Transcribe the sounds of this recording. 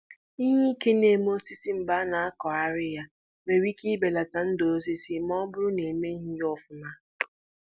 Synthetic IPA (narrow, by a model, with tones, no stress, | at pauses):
i˦ɲe˦i˦ke˦ne˨mo˦si˦si˦m̩˨ba˦na˨a˦kɔ˨a˦ɾɪ˦ja˨ | me˨ɾi˦ki˦be˨la˨ta˨n̩˦do˨˦s̬i˦si˦mɔ˦bʊ˦ɾʊ˦ne˨me˦ɦi˦jɔ˦fʊ˨na˦